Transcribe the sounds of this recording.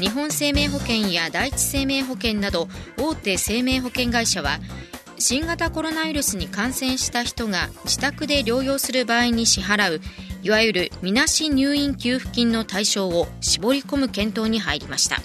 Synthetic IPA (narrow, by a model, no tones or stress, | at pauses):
ɲ̟iɦõ̞ɰ̃se̞ːme̞ːɦo̞kẽ̞ɰ̃jad̪ait͡ɕi̥se̞ːme̞ːɦo̞kẽ̞nːad̪o̞o̞ːt̪e̞ːse̞ːme̞ːɦo̞kẽ̞ŋɡaiɕaβ̞a̰ | ɕĩŋɡat̪ako̞ɾo̞naβiɾɯ̟sɨɲ̟ikãɰ̃sẽ̞ɰ̃ɕi̥t̪açi̥t̪o̞ɡad͡ʑit̪akɯ̟d̪e̞ɾʲo̞ːjo̞ːsɨɾɯ̟baːiɲ̟iɕiɦaɾaɯ̟iβajɯɾɯ̟mʲinaɕiɲ̟ɨːĩŋkʲɨːɸɯ̟̥kʲĩnːo̞t̪aiɕo̞ːoɕibo̞ɾʲiko̞mɯ̟kẽ̞nt̪o̞ːɲ̟iɦaiɾʲimaɕi̥t̪a̰